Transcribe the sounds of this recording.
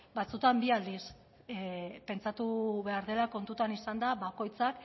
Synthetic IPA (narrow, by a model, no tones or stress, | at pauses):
bat͡sut̪ambiald̪is | pe̞nt͡sat̪uβe̞aɾðe̞lako̞nt̪ut̪anisand̪aβako̞jt͡sak